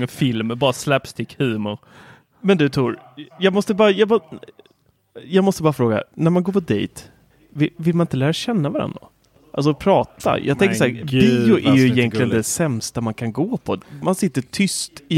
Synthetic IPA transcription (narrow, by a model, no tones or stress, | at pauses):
əfɪlmbɑːɾaslɛpst̪ʰɪkʰhʉːmʊɾ | mɛnd̪ɵt̪ʰɾuːɾjɑːɡmɔst̪əbɑːɾajɑːɡmɔ | jɑːɡmɔst̪əbɑːɾafɾoːɡa̰næɾmanɡoːɾpʰɔd̪ɛ̰jt̪ | vɪvɪlmanɪnt̪əlæːɾaɕɛnːavaɾa̰nd̪ɾa̰ | ʔals̬ɔpʰɾɑːt̪a̰jʔɑ̰ːɡt̪ɛŋkəʂaæːɾbiʊʔæɾjɵɪjɛnklɪɡənd̪ɛsɛmst̪amankʰanɡoːpʰɔmansɪt̪ːəʈʰʏst̪ɪ